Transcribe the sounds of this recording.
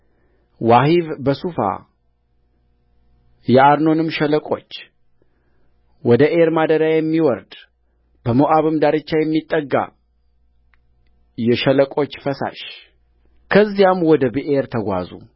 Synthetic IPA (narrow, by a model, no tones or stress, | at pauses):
wahivbəsufa̰ | jɛʔaɾno̞nɨmːʃɛləkʼo̞t͡ʃː | wɔd̪əʔeɾmad̪əd̪ajɛmːiwɔɾd̪ | bəmoʔaβɨmd̪aɾɨt͡ʃːajɛmːit̪ʼːəɡːa̰ | jɛʃələkʼo̞t͡ʃːfəsa̰ʃ | kʰəzːijamwɔd̪əbiʔeɾt̪ʰəɡʷa̰zṵ